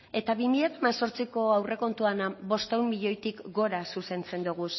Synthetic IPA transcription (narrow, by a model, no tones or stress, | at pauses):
e̞t̪aβimiʎat̪amaso̞ɾt͡siko̞awre̞ko̞nt̪uanaβo̞st̪ewmmiʎo̞jt̪ikɡo̞ɾasuse̞nt͡se̞nd̪uɣ̞us